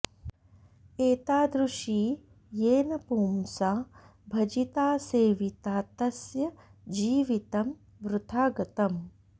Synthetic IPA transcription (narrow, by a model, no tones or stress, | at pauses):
eːt̪aːd̪ɾuʂiː | jeːnɐpuːmsaː | bʱɐd͡ʒit̪aːseːʋit̪aːt̪ɐsjɐd͡ʒiːʋit̪ɐm | ʋɾʊt̪ʰaːɡɐt̪ɐm